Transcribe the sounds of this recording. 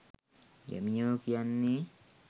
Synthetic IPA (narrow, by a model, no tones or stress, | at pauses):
ja̰miɲoːkianːi